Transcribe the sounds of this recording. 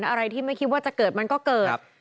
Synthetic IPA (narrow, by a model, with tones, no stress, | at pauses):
n˥ʔa˧ɾa˧jt̪ʰiː˥˩ma˥˩jkʰi˦˥waː˥˩t͡ɕa˨˩kɤː˨˩t̪̚ma˧nkɔː˥˩kɤː˨˩tt̚